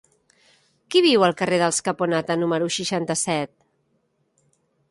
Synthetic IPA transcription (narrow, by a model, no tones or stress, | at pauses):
kiβ̞iwəlˠkəreðəlˠskəponat̪ənuməɾuʃiʃant̪əsɛt̪̚